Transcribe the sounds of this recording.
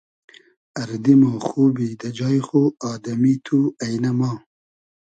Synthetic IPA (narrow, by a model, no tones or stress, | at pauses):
ɐɾd̪imoːxuːbid̪ɐd͡ʒɑːjxoɑːd̪ɐmit̪ʰuɐjnɐmɑː